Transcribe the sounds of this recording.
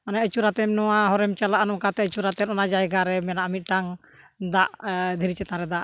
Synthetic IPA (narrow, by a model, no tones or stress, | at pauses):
anaət͡ʃuɾat̪ɛmnɔwaɦɔɾɛmt͡ʃalaʔanɔkat̪ɛət͡ʃuɾat̪ɛnɔnad͡ʒajɡaɾɛmɛnaʔəmit̪̚ˀʈaŋ | d̪aʔd̪ʱiɾit͡ʃɛt̪ãɾɛd̪aʔ